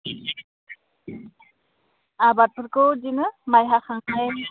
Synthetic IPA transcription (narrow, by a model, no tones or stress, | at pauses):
abat̚pʰɯɾkɯd͡ʒinɯmajɦaxaŋaj